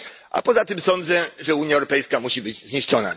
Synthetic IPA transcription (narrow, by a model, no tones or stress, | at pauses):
ʔa̰pɔzat̪ɘmsɔnd̪zɛʐɛuɲjaɛwɾɔpɛjskamuɕibɘd͡ʑzɲiʂt͡ʂɔna̰